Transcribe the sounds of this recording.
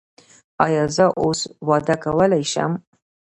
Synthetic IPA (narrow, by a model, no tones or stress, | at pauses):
ɑːjɑːzɐʔoswɑːd̪akʰɐwəlajʃa̰m